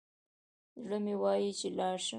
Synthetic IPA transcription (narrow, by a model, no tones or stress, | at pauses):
zɽəmewɑjit͡ʃelɑʃə